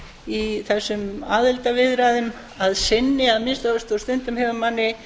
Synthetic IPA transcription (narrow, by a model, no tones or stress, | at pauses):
iθɛsːʏmaːðɪlt̪avɪðɾaðʏm | aðsɪnːɪaðmɪst̪laʏst̪ɔst̪ʏnt̪ʏmhɦɛvamanːɪ